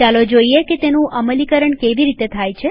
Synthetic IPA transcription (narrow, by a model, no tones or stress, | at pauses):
alod͡ʒoieket̪enũəməlikəɾəɳkeʋiɾit̪et̪ʰajt͡ʃʰe